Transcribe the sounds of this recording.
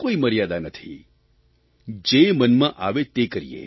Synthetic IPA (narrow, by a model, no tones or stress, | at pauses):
koiməɾjad̪anət̪ʰḭ | d͡ʒemənmãʔaʋet̪ekəɾḭjḛ